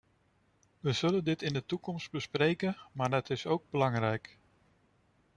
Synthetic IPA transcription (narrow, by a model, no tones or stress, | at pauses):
ʋəz̥ɵləndɪtɪndətukɔmst̚bəsprejkənmaːɹdətɪsowɡ̚bəlɑŋrɛjk